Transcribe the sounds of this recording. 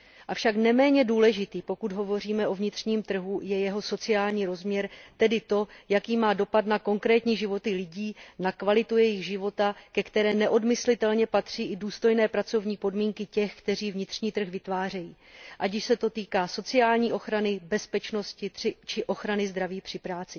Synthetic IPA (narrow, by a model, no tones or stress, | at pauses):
ʔafʃaknɛmɛːɲɛduːlɛʒɪt̪iːpo̞kud̪ɦo̞vo̞r̝iːmɛʔo̞vɲɪt̪r̥ɲiːmt̪r̩ɦujɛjɛɦo̞so̞t͡sɪaːlɲiːɾo̞zmɲɛɾt̪ɛdɪt̪o̞jakiːmaːdo̞pat̪nako̞ŋkɾɛːt̪ɲiːʒɪvo̞t̪ɪlɪɟiːnakvalɪt̪ujɛjɪɣʒɪvo̞t̪akɛkt̪ɛɾɛːnɛʔo̞dmɪslɪt̪ɛlɲɛpat̪r̝̥iːʔɪduːst̪o̞jnɛːpɾat͡so̞vɲiːpo̞dmiːŋkɪcɛxkt̪ɛr̝iːvɲɪt̪r̥ɲiːt̪r̩xvɪt̪vaːrɛjḭː | ʔaɟɪʃsɛt̪o̞t̪iːkaːso̞t͡sɪaːlɲiːʔo̞xɾanɪbɛspɛt͡ʃno̞scɪt̪rɪt͡ʃɪʔo̞xɾanɪzd̪ɾaviːpr̝̥ɪpɾaːt͡sɪ